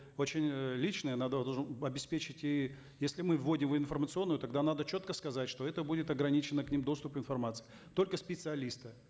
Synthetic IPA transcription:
ot͡ɕɪnʲlʲit͡ɕnəjənad̪əd̪ɐlˠʐɐbʲɪspʲet͡ɕɪtʲi | jesʲlʲɪmɨvːo̞dʲɪmvɪnfərmət̪sɨo̞nːʊjʊt̪ɐɡd̪anad̪ət͡ɕot̪kəskɐzatʲʂt̪o̞ɛt̪əbudʲɪt̪ɐɡɾɐnʲit͡ɕɪnːəknʲimd̪o̞st̪ʊpvɪnfɐrmat̪sɨ̥ɪ | t̪o̞lʲkəspʲɪt̪sɨɐlʲist̪ɨ

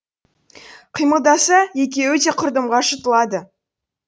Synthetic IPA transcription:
qʰijməlˠd̪ɑsəjekʲewɵt̪e̞qʰʊɾd̪əmʁɑʃət̪əlˠɑd̪ə

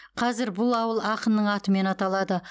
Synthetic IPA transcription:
qʰɑzɪɾbʊlˠɑwəlˠɑqənnəɴɑt̪əme̞nɑt̪ɑlˠɑd̪ə

